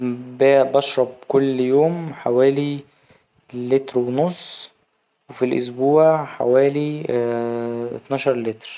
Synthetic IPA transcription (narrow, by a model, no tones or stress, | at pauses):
bæbɑʃɾˤɑb̚kolːjoːmħawæːli | lːet̪ɾwenosˤː | wefilʔo̰sbuːʕħa̰wæːli | t̪nɑːʃɑɾˤlet̪ɾ